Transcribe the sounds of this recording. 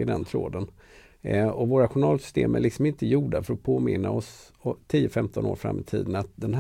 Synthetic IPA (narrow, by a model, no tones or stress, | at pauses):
ɪd̪ɛnt̪ʰɾoːd̪ən | ɔvoːɾaɧʊnɑːlsʏ̥st̪ḛːmæɭɪksɔmɪnt̪əjuːɖafœɾɔpʰoːmɪnːaɔs | ɔt̪ʰiːəfɛmt̪ʰɔno̰ːɾfɾa̰mːɪt̪ʰḭːd̪ənat̪̚d̪ɛnɦ